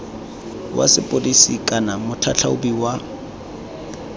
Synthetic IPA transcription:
wʔa̰sɪpʼʊdisikʼanamʊtʰat͡ɬʰaʊ̰biwa

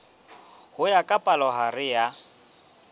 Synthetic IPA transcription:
hʊjakʼapʼalɔɦarɪja

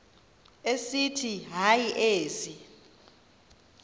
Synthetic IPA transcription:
esitʰiɦajiʔeːzi

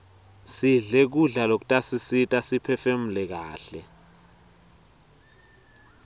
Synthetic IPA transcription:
siɮɛk̬uɮalok̬utʼasisitʼasipʰɛfem̩lɛk̬aːɬɛ

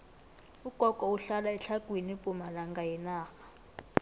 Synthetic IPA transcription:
uɡ̥ʱɔkʼɔuɬalaɛɬʰaɡwinipʼumalaŋɡajɛnaːxḁ

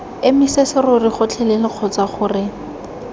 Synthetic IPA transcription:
ɪmɪsesɪrʊriχʊt͡ɬʰɛlɪlɪq͡χʰɔt͡saχʊrɪ

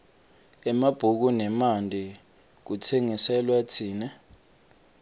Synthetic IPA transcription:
ɛmab̥ʱuk̬unɛmandʱi | k̬utʰeŋisɛlwatʰiːnɛ

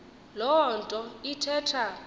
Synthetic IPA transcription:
lɔntʼɔitʰɛːtʰa

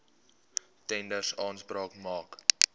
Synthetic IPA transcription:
tɛndərsɑːnsprɑːkmɑːk

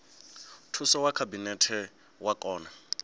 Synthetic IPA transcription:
tʰusɔwakʰabinɛtʰɛ | wakʼɔːna

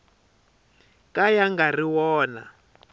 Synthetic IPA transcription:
kajaŋɡariwɔːna̰

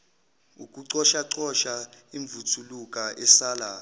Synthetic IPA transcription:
ukʼuǀɔʃaǀɔʃaiɱbvutʰulukʼaʔɛsaːla

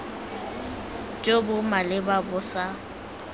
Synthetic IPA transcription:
t͡ʃʼobʊmalɪbabʊsa

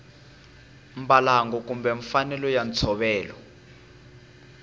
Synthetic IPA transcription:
mbalaŋɡɔk̬umbɛɱfanɛlɔjant͡sʰɔɓɛːlɔ

